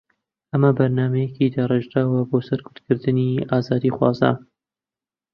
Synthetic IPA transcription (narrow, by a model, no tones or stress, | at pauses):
ʔɐmɐbɐɾnaːmɐjɛkid̪areʒɾaːwɐboːsɐɾkʰʊt̪kʰɨɾd̪ɨniaːzaːd̪ixwɑ̰ːza̰n